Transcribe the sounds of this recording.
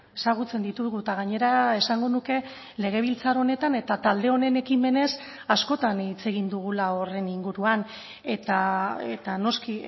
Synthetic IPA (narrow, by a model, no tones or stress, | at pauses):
e̞saɣ̞ut͡se̞nd̪it̪uɣut̪aɣaɲe̞ɾae̞saŋɡo̞nuke̞ | le̞ɣ̞e̞β̞ilt͡saɾo̞ne̞t̪ane̞t̪at̪ald̪e̞o̞ne̞ne̞kime̞ne̞s | asko̞t̪anit͡se̞ɣ̞ind̪uɣ̞ulao̞re̞niŋɡuɾuan | e̞t̪aet̪ano̞ski